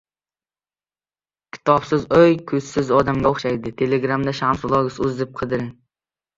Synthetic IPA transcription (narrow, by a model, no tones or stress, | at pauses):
kʲʰɪ̥t̪ʰɒbsɪzojkʰɵzsɪzɒd̪amɡʲaoχʃajd̪ɪt̪ʰe̞leɡɾamd̪aʃamsʊlˠɒɡɪsʊzɪp̚qʰɨd̪ɪɾ